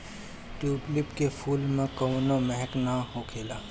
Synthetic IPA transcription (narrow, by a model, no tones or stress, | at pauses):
ʈjuːʈlɪpkepʰuːlmẽkəːnomɛɦɛknaɦoːkʰeːlaː